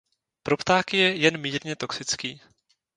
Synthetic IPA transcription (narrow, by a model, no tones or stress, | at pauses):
pɾopt̪aːkɪjɛjɛnmiːɾɲɛt̪o̞ksɪt͡skiː